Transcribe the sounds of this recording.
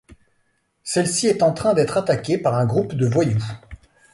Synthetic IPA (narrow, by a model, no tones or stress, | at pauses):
sɛlsiɛt̪ɑ̃t̪χɛ̃d̪ɛt̪χat̪akʲepaʁɛ̃ɡʁupd̪əvwaju